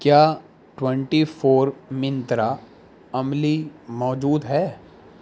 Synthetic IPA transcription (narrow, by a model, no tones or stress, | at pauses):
kjaː | ʈwɛ̃ɳʈifʰoːɾmɪ̃nt̪ɾa | ɐmlimɔːd͡ʒuːd̪ɦɛː